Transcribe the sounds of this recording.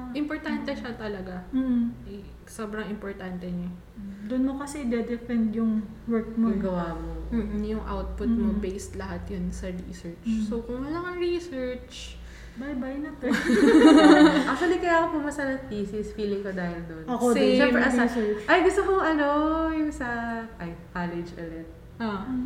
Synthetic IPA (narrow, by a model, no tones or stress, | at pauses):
ʔɪmpoɹt̪ant̪ɛʃɐt̪ɐlɐɡam̩ːɛ | sobɾɐŋɪmpoɹt̪ant̪ɛɲɐ | d̪ʊnmokɐsɛd̪ɛd̪ɛpɛnd̪jʊŋ | wɛɹk̚moɡɐwaːmomːjʊŋʔa̰wt̪̚pʊt̪̚mobejst̪lɐɦat̪jonsɐɹisɛɹt͡ʃsowkʊŋwɐnɐŋɐɹisɛɹt͡ʃ | bajbajnɐt̪ɛ | ak̚t͡ʃ̪uɐlikɐjaːkopʊmɐsɐnɐp̪iːsɪsfiːlɪŋkɐd̪aːhɪld̪onɐkod̪ɛʃɛpɾɛʔɐsasɛt͡ʃʔɐjɡʊst̪okoŋʔɐnojʊŋsɐʔɐjkalɛd͡ʒʔɐlɛt̪̚ | ʔa